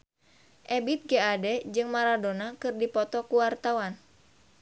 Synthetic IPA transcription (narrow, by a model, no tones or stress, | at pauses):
ʔɛbit̪̚ɡeadɛd͡ʒɨŋmaɾadonakɨrdipɔt̪ɔkuwart̪awan